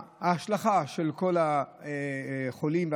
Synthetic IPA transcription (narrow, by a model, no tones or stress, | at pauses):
haːʃlaχaʃelkolaeχolimv